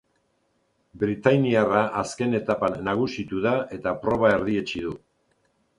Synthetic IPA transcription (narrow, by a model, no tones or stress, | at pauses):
bɾit̪ajniaraʔaske̞ne̞t̪apanːaɣ̞usit̪uðae̞t̪apɾo̞βae̞ɾðie̞t͡ʃiðu